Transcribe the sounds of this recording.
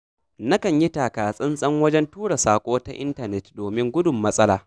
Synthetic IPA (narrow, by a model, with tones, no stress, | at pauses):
na˦kɐ˨ɲji˦taː˨kaː˨sʼɪ˦nsʼɐ˦ŋwɐ˦d͡ʒɛ˦ntuː˦ɽa˨saː˨kʷʼoː˦ta̰˦ʔɪ̰˦ntɐ˨nɛ˨tdoː˨mɪ˦ŋɡʷʊ˦dʊ˨mːɐ˦sʼɐ˦laː˨